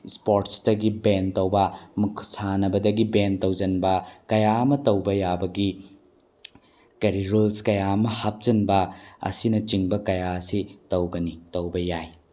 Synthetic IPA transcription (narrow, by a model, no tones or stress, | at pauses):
spoɾtsdɐɡibentɐwbɐmukʰːsanɐbɐdɐɡibentɐwd͡ʒɐnbɐkɐjaɐmɐtɐwbɐjabɐɡi | kɐɾiɾulskɐjamɐhap̚d͡ʒɐnbɐɐ̰sinɐt͡ʃiŋbɐkɐjaɐsitɐwɡɐnitɐwbɐjaj